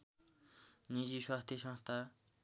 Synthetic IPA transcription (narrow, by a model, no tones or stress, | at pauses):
ɲiʑiɕʰoaht̪eɕaŋht̪a